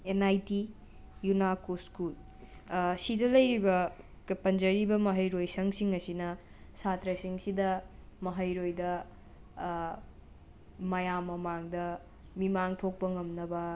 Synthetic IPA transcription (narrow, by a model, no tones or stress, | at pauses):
enajti | junakuskul | sidɐlɐjɾibɐ | pɐnd͡ʒɐɾibɐmɐɦɐjɾojsɐŋsiŋɐsinɐ | satɾɐsiŋsidɐmɐɦɐjɾojdɐ | mɐjamːɐmaŋdɐ | mimaŋtʰok̚pɐŋɐmnɐbɐ